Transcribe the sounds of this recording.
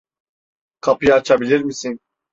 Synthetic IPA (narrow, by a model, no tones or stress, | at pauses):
kʰapujaːt͡ʃʰabilʲiɾmisin